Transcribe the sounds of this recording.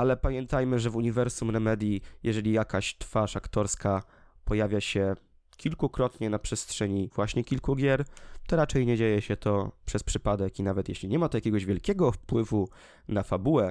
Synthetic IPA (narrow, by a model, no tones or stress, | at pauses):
alɛpamʲjɛnt̪ajmɘʐɛvuɲivɛɾsumɾɛmɛd̪ʲjijʔɛʐɛlʲijakaɕt̪faʂakt̪ɔɾska | pɔjavʲjaɕɛ | kʲilkukɾɔt̪ɲɛnapʂɛstʂɛɲiv̥waɕɲɛkʲilkuɡʲjɛɾt̪ɔɾat͡ʂɛjɲɛd͡ʑejɛɕɛt̪ɔpʂɛspʂɘpad̪ɛkinavɛt̪jḛɕlʲiɲɛmat̪ɔjakʲɛɡɔʑvʲjɛlkʲɛɡɔfpwɘvu | nafabuwɛ